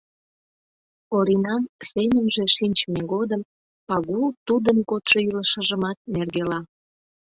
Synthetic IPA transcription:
oɾinɑnsemʲə̆mʒĕʃinʲt͡ɕmeɣod̪əm | pɑɣut̪ud̪ənkot̪ʃoyləʃəʒəmɑt̪̚nerɣelɑ

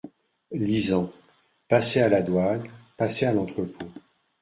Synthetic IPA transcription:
lizɑ̃ | pasealad̪wanpasealɑ̃t̪χəpo

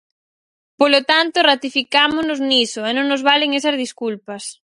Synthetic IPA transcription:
polot̪ant̪orat̪ifikamonoznisoenõŋnozβaleŋesɐzðiskulpas

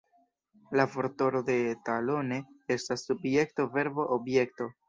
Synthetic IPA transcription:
lafo̞ɾto̞ɾo̞de̞talo̞ne̞e̞stasːubje̞k̚to̞ve̞ɾbo̞ʔobje̞k̚to̞

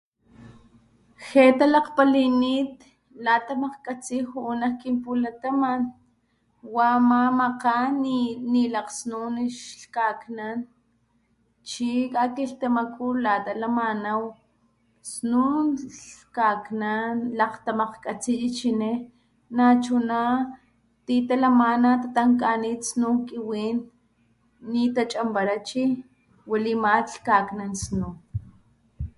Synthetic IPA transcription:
xet̪alaqpaliniːt̪ | lat̪amaqkʼat͡sihuːnakimpulat̪aman | wamamaqaninilaqsnuniʃɬkaknan | t͡ʃikakiɬt̪amakʰulaːt̪alamanaw | snunɬkaknanlaqt̪amaqkʼat͡sijit͡ʃine | nat͡ʃuna | t̪it̪alamanat̪at̪aŋkanit̪snukiwiːnː | it̪at͡ʃʼambaɾat͡ʃi | walimat͡ɬkaːknansnu

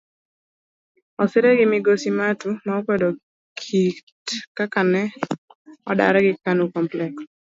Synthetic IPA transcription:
ɔsɪɾɛɡɪmɪɡosimatumaɔkwɛdɔ | kʰitkakanɛ | ɔda̰ɾɛɡɪkanukɔmplɛks

